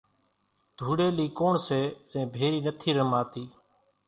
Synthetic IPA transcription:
d̪̥ʱuːɽeːliːkoːɳseːzẽːbʱeːɾiːnət̪ʰiːɾəmaːt̪iː

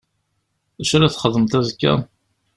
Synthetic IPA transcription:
æʃɾaθχəðˤəmt̪æðkːæ̰

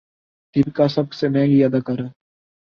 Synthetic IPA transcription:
d̪ibkaːsəb̚kseːmɛ̃ːŋɡiːjaːd̪aːkəɾ

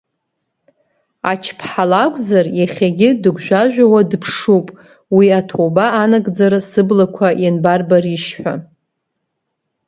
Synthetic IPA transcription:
a̰t͡ʃʰpʰħalakʷʼzarjaχʲaɡʲɪdɨɡʷʒᶣʷaʒᶣʷawadpʰʂupʼ | wiatʰowbaːnaɡʼd͡zaɾɨsɨblakʷʰajanbarbariʃħʷᶣa̰

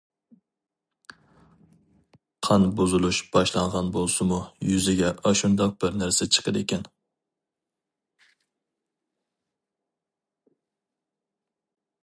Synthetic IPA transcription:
qʰɑnbuzɨlˠuʃb̥ɑʃlˠɑɴʁɑnbolˠsɨmujyzɪɡʲɛʔɑʃund̪ɑq̚b̥ɪɾnæɾsɛt͡ʃʰə̥qʰəd̪ekʲɛn

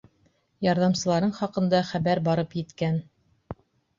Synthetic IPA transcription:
jɑɾðɑmsɤ̆lˠɑɾɤɴχɑqɤ̆nd̪ɑχæβæɾbɑɾɤpjɘ̆t̪kæn

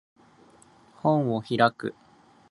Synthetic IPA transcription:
hõ̞ɰ̃o̞çiɾakɯ̟̰

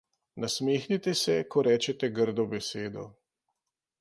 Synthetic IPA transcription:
nasmeːxnit̪ɛsɛkɔɾɛːt͡ʃɛt̪ɛɡəɾd̪ɔbɛseːd̪ɔ̰

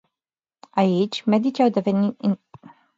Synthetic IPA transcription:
ait͡ʃʲmed̪it͡ʃiawd̪evenit̪

